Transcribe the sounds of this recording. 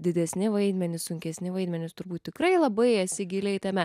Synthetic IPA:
d̪ʲɪd̪ʲɛsʲnʲɪʋɐɪd̪ʲmʲɛnʲɪsʊŋʲkʲɛsʲnʲɪʋɐɪd̪ʲmʲɛnʲɪst̪ʊɾbuːt̪ʲtʲɪkɾɐɪlˠɐbɐɪɐtsʲɪɡʲɪlʲɛɪt̪ɐmʲɛ

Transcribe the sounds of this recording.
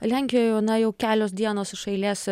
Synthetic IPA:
lʲæˑŋʲkʲɪjoːjnɐjɛʊkʲæːlʲoːsd̪ʲiɛnoːsɪʃɐɪlʲiːs

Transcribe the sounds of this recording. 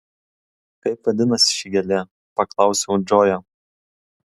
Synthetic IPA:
kɐɪpʋɐd̪ʲɪnɐsʲɪ̥ʃʲɪɡʲɛlʲe | pɐklˠɑˑʊsʲɛʊd͡ʒʲoːjoː

